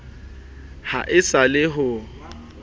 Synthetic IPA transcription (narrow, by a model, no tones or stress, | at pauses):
ha̰ʔɪsalɪɦʊ